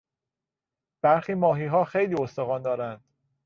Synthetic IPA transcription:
b̥æɾxiːmɒːɦiːɦɒːxejliːost̪oɣɒːnd̪ɒːɾænd̪̥

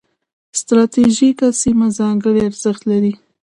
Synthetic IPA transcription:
st̪ɾɑt̪eʒikasimazɑŋɡəɽiaɾz̥əxt̪laɾi

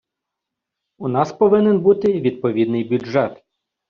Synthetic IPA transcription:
unɑspɔʋɪnɪnbut̪ɪʋʲid̪̚pɔʋʲid̪̚nɪjbʲuɛt̪

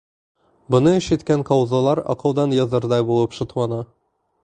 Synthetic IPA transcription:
bŏnɤ̆ʃɘ̆t̪kæŋqɑwzɑlˠɑɾɒ̰qɤ̆wd̪ɑnjɒzɤɾd̪ɑjbulˠɤpʃŏt̪wˠɑnɑ

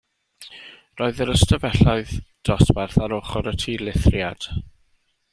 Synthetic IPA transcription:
roːɨðəɾəstʰəvɛɬaɨðd̥ɔsvɛrθaɾoχɔɾətʰiːlˠɪθrjad̥

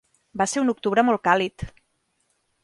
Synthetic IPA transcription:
baseɾunuk̚t̪uβɾəmolˠkalit̪

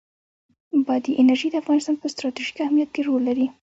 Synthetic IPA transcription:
bɑd̪iʔɪnaɾʒid̪əafɣɑnɪst̪ɑnpəst̪ɾɑt̪iʒi̥kahmijat̪̚keɾolːaɾi

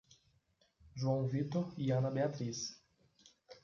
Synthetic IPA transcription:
ʒuɐ̃w̃vit̪oɾiɐ̃nɐbeat̪ɾis

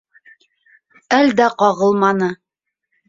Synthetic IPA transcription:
æld̪æqɑʁɤ̆lˠmɑnɤ

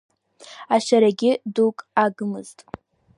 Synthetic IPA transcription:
aʃaɾaɡʲɪdukʼaɡɨmɨztʼ

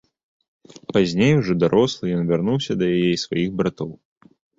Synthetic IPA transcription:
pazʲnʲejuʐɔd̪aɾʔɔslˠɨjɔnvʲarnuwsʲɐd̪ɐjajɛisvajiɣbɾat̪ɔw

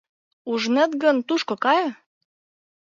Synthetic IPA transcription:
uʒnĕt̪ɡənt̪uʃkŏkɑj

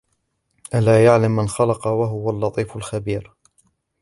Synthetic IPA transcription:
ʔalaːjaʕlamːanxɑlɑqɑwaɦʊwalːɑt̪ˤiːfalxabiːɾ

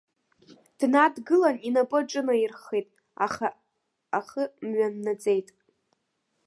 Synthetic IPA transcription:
d̥nadɡɨlaninapʼɨʈ͡ʂʼɨnairχejtʼ | a̰χaː | χəmɥʷanːad͡zʼe̞jtʼ

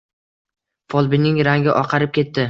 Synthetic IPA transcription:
fɒlˠbɪnɪŋɾaŋɡʲɪʔɒqʰɑɾɪp̚kʲʰe̞t̪ːɪ

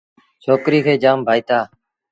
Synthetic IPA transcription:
t͡ʃʰoːkɾiːkʰeːd͡ʒaːmbʱaːiːt̪aː

